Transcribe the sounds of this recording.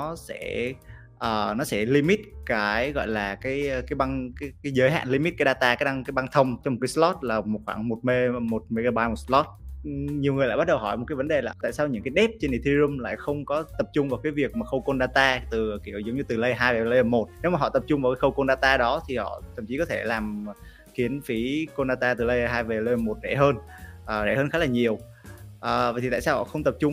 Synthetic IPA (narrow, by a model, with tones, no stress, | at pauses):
sɛ̰˧˥ | ʔəː˨˩nɔ˨˦sɛ̰˧˩li˧mi˦˥t̚kaː˨˦jɣɔ̰˧˨jlaː˨˩kaː˨˦jkaː˨˦jɓa˧ŋkaː˨˦jkaː˨˦jzəː˨˦jɦa̰ː˧˨nli˧mi˦˥t̚kaː˨˦ɗaː˧t̪aː˧kaː˨˦jɗa˧ŋkaː˨˦jɓa˧ŋt̪ʰə˧wŋ͡mt͡ɕɔ˧ŋ͡mmo˨˩t̚kːaː˨˦slɔ˦˥t̚laː˨˩mo˨˩t̚xwaː˧˩ŋmo˨˩t̚me˧mo˨˩t̚me˧ɣaː˧ɓaː˧jmo˨˩t̚slɔ˦˥t̚ɲi˨˩əwŋɨ˨˩la̰ː˧˨ɓa˦˥t̚ɗə˨˩whɔ˧˩jm̚˨˩aː˨˦və˨˦nɗe˨˩laː˨˩t̪a̰ː˧˨jsaː˧wɲɨ̰˧˥ŋkaː˨˦ɗɛ˦˥p̚t͡ɕe˧nːi˨˧t̪ʰi˧zu˧mla̰ː˧˨jxə˧wŋ͡mkɔ˨˦t̪ə˨˩p̚t͡ɕʊ˧ŋ͡mvaː˨˩wkaː˨˦jvi˨˩ək̚maː˨˩xə˧wko˧nɗaː˧t̪aː˧t̪ɨ˨˩ki˧˩əwzə˨˦ŋ͡mɲɨ˧t̪ɨ˨˩lə˧jɦaː˧jve˨˩lə˧əː˨˩mːo˨˩t̚ne˨˦wmaː˨˩ɦɔ̰˧˨t̪ə˨˩p̚t͡ɕʊ˧ŋ͡maː˨˩wkaː˨˦xə˧wko˧nɗaː˧t̪aː˧ɗɔ˨˦t̪ʰi˨˩hɔ̰˧˨t̪ʰə̰˧˩mt͡ɕi˨˦kɔ˨˦t̪ʰe˧˩laː˨˩m | xi˨˦ənfi˨˦ko˧nɗaː˧t̪aː˧t̪ɨ˨˩lə˧jɦaː˧jve˨˩lə˧jəː˨˩mo˨˩t̚ɗa̰˧˩ɦəː˧n | ʔəː˨˩ɗa̰˧˩həː˧nɣa˨˦˥laː˨˩ɲi˨˩əw | ʔəː˨˩˨t̪i˨t̪a̰ː˧˨saː˧whɔ̰˧˨xə˧wŋ͡mt̪ə˨˩p̚t͡ɕʊ˧ŋ͡m